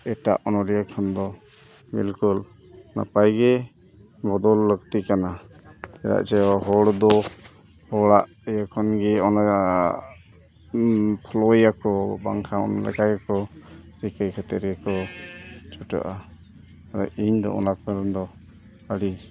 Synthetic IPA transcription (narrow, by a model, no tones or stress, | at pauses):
ɛʈa̰ʔɔnɔɾijakʰɔnd̪ɔ | bḭlkul | na̰pajɡɛ | bɔd̪ɔlːəɡt̪ikana | ɛɾa̰ʔt͡ʃɛwaɦɔɽd̪ɔ | hɔɽaʔ | ijakʰɔnɡɛɔna | pʰɔlɔjakɔbaŋkʰaɔ̰nɔlɛ̰kajakɔ | ɾikəjkʰat̪ɛɾɡɛkɔ | t͡ʃɔʈa̰ʔa | aɾa̰ʔiɲd̪ɔ̰ɔ̰nakaɾɔnd̪ɔ | əɽi